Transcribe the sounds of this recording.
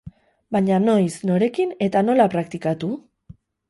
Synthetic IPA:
baɲano̞jsno̞ɾe̞kine̞t̪ano̞lapɾak̚t̪ikat̪u

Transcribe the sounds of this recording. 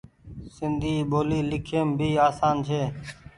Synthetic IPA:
sɪnd̪ʱiːɓoːliːlɪkʰeːmbʱiːaːsaːnt͡ʃʰeː

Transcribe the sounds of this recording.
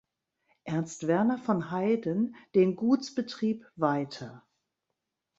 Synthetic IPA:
ʔɛɐnstv̥ɛɐnɐfɔnhaɪdənd̥eːnɡuːt͡sb̥ətʁ̥iːpvaɪtʰɐ

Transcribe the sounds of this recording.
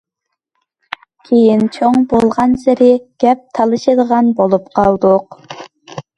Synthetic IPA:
kʲʰejint͡ʃʰoŋbolˠʁɑnsɪɾɪɡ̥ʲɛp̚t̪ʰɑlˠɨʃɨd̪əʁɑnbolˠupqʰɑlˠd̪ʊq

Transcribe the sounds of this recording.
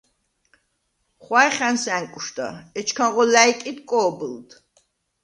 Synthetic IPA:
χwajχænsæŋkʼuʃd̪a̰ɛt͡ʃʰkʰaʁɔlæjkʼid̪kʼɔːbɨld̪̥

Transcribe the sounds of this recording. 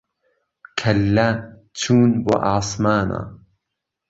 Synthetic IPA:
kʰɐlːa | tʰuːnba̰ʔaːsˤmaːna̰

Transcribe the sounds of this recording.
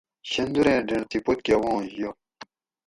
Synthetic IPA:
ɕənd̪uɾeɖ͡ʐet̪ipot̪̚kewɑŋjo

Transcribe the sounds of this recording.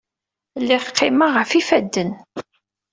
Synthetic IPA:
lːɪχqːɪmaʁəfifæd̪ːən

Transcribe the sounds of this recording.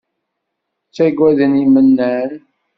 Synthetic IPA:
t͡sːæɡwæðənimənːæn

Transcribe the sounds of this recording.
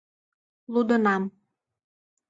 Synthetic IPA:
lud̪ənɑm

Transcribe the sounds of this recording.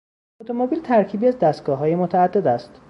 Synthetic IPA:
ot̪ʰomobiːlt̪ʰæɾcʰiːbiːæzd̪æst̪ɡ̥ɒːɦɒːjemot̪ʰæːd̪ːe̞d̪æst̪

